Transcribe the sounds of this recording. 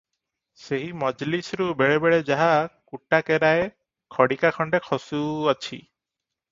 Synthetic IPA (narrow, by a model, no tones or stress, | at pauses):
seɦimɔd͡ʒlisɾubeɭebeɭed͡ʒaɦakuʈakeɾae | kʰɔɽikakʰɔɳɖekʰɔsuat͡ʃʰḭ